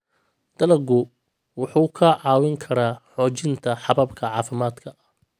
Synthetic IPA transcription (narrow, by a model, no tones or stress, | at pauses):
d̪̥ɐlɐɡʊ | wʊħuːkʰɐʕɑːwɪŋkʰɐɾaːħɔːt͡ʃɪnt̪ʰɐħɑβɐbkʰɐʕɑːfɪmaːd̪kʰɐʔɐh